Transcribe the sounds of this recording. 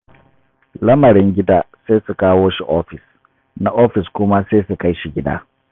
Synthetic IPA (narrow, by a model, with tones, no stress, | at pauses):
lɐ˦mɐ˨ɾɪ˦ŋɡʲɪ˦daː˦seː˦su˨kaː˦woː˦ʃi˦ʔo˦ɸɪ˨s | na˦ʔo˦ɸɪ˨skʷʊ˦ma˦se˦su˨ka˦jʃi˨ɡʲɪ˦da̰ː˦